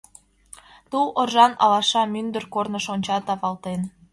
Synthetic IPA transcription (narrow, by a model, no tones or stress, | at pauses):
t̪uʔorʒɑnɑ̰lɑʃɑmynd̪ərkornə̆ʃonʲt͡ɕɑt̪ɑβɑlt̪en